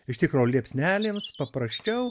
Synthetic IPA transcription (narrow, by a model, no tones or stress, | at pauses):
ɪʃt̪ʲɪkɾoːlʲiɛpʲsʲnʲæːlʲeːmspɐpɾɐsʲt͡ʃʲɛʊ